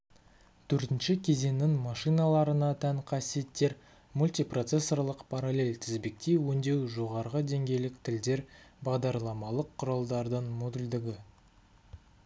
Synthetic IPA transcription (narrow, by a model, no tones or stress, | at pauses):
t̪ʰɵɾt̪ɪnʃɪkʲʰe̞ze̞nːɪŋmɑʃɨjnɑlˠɑɾənɑt̪ʰæŋqʰɑsije̞t̪ːe̞ɾ | mulʲt̪ijpro̞t̪se̞sːo̞rlˠəqpʰɑɾalʲe̞lt̪ʰɪzbek̚t̪ejwɵnd̪e̞wʒo̞ʁɑɾʁəd̪e̞ŋɡʲe̞jlɪk̚t̪ʰɪld̪e̞ɾbɑʁd̪ɑɾlˠɑmɑlˠəqʰːʊɾɑlˠd̪ɑɾd̪əɴmod̪ʊld̪ɪɡʲɪ